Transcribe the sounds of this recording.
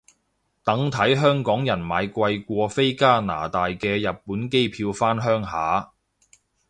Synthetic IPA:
t̪ɐ˨˥ŋt̪ʰɐ˨˥jɦœː˥ŋkɔː˨˥ŋjɐ˨˩nmaː˨˧jkʷɐ˧jkʷɔː˧fe˥jkaː˥na̰ː˨˩t̪aː˨jkɛː˧jɐ˨p̚pːuː˨˥nke˥jpʰiː˧wfaː˥nɦœː˥ŋɦaː˨˥

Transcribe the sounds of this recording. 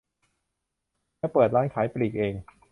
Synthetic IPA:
mɛː˦˥pɤː˨˩t̪̚laː˥˩nkʰaː˩˦jpli˨˩k̚ʔeː˧ŋ

